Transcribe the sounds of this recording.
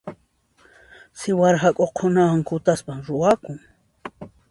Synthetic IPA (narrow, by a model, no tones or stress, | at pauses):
sɪwaɾhakʼoqʰːʊnawaŋkʊt̪aspamɾʊakʊŋ